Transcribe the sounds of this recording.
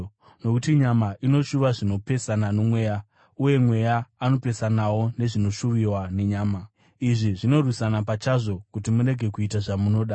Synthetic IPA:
no̞kutiɲamaʔino̞ʃuʋaʐino̞pe̞sananomwe̞ːja | uje̞mwe̞jaːno̞pe̞sanawo̞ne̞ʐino̞ʃuʋiwane̞ɲaːma | iʐiʐino̞rwisanapat͡ʃaʐo̞kutimuɾe̞ɡʱe̞kuitaʐamuno̞ːɗa

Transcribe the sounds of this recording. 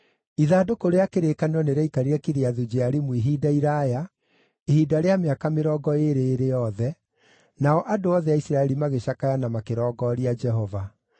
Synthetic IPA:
iðaːdokoɾeakeɾekaneɾɔneɾɛikaɾiɾɛkiɾeaðud͡ʒeaɾimwiɦiːdaiɾaja | ehiːdaɾeameakameɾɔɡɔeɾeːɾejɔðɛ | naɔʔadoɔðɛaisɾaɛɾimaɣeɕakajanamakeɾɔːɡɔɾiad͡ʒɛɦɔva

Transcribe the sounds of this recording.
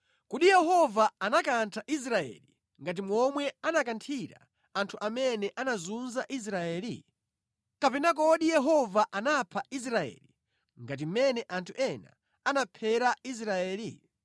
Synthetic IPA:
kuɗijɛɦɔvaanakantʰaʔis̬ɾaɛ̰li | ŋɡat̬imwɔmwɛanakantʰiɾa̰ | antʰuʔamɛnɛʔanazunzaʔis̬ɾaɛːlḭ | kapɛnak̬ɔɗijɛɦɔvaʔanapʰais̬ɾaɛ̰li | ŋɡat̬im̩mɛnɛʔantʰuʔɛna̰ | anapʰɛɾais̬ɾaɛːlḭ

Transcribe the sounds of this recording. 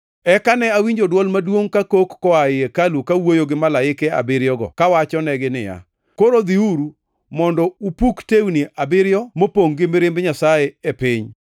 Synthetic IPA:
ɛkanɛawiɲd͡ʒodwɔlmadwoŋkakokːɔaɪekalukawojoɡɪmalaɪkɛa̰bɪɾjɔɡɔ̰kawat͡ʃɔnɛɡɪnɪ̰ja̰ | koɾod̪iuɾu | mɔndɔupuktewniʔabɪɾjɔmopoŋɡɪmɪɾɪmbɲasajɛepɪɲ

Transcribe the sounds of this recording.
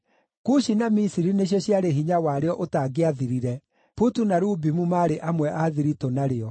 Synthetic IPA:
kuɕinamisiɾineɕ̬eɕjaɾeɦiɲawaɾeɔʔotaɡeaðiɾiɾɛ | putunaɾuːbimumaːɾeʔamwɛʔaðiɾitonaɾeɔ

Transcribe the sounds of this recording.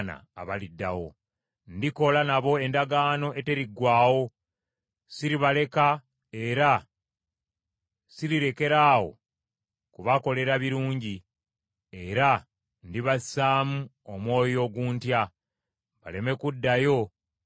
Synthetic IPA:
na̰ːβalidːa̰wo̰ | ndiko̞lanaβo̞e̞ndaɡaːno̞ʔe̞te̞ɾiɡwaːwo̞ | siɾiβale̞ka | e̞ɾa | siɾiɾe̞ke̞ɾaːwo̞̰ | kuβako̞le̞ɾaβiɾuːɲɟi | eɾa | ndiβasaːmu | omwo̞ːjo̞ːɡuːntja | βa̰le̞me̞kudːajo̞

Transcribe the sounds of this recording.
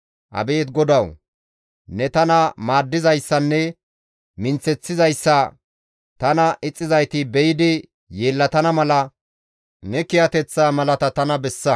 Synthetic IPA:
ʔɐ̰be̞ːt̪ɡɔd̪ɐw | nɛt̪ɐnɐmaːd̪ːɪzɐjsːɐnːɛ | mɪnt͡sːɛt͡sːɪzɐjsːɐ | t̪ɐnɐʔɪt͡sʼːɪzɐjt̪ɪbɛjɪd̪ɪ | je̞ːlːɐt̪ɐnɐmɐlɐ | nɛkɪjɐt̪ɛt͡sːaːmɐlɐt̪ɐt̪ɐnɐbɛsːɐ

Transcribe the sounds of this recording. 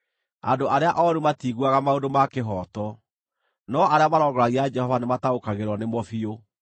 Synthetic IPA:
a̰doʔaɾeaʔɔɾumatiːɣuaɣamaodomakeɦɔtɔ | nɔaɾeamaɾɔɡɔɾaɣiad͡ʒɛhɔvanemataokaɣeɾwɔnemɔfio

